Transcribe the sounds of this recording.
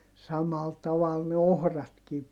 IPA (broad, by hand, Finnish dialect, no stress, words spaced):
sɑmɑl tɑʋɑl ne ohrɑtkiː